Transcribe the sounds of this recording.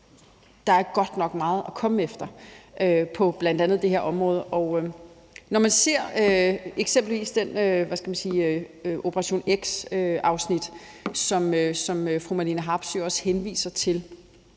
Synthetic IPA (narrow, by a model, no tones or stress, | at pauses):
d̥ɑ̈æɐɡ̥ɒ̽d̥nɒ̽ɡ̥mɑ̈ːð̞̩ˠɒkʰɒ̽məefd̥ɐʔøpʰɒ̽b̥læn̰d̥ænð̞̩ˠd̥e̝heɐʔɒ̽mʁɔ̽ːð̞ˠəʔɒ̽ʊø | nɒmænse̝ɐ̰øeɡ̥sem̰b̥l̩ʋḭːsd̥enøʋæsɡ̥æmænsiːʔo̝pʰəʁɑ̈ɕo̝̰ːneɡ̥søɑ̈ʊsnid̥ | sɒ̽møsɒ̽møfʁumæliːnəɦɑ̈b̥soɒ̽shenʋḭːsɐt͡sʰe̝l